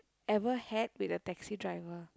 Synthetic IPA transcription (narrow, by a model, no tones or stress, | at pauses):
ɛvəhɛt̚witətɛksidɹaɪvə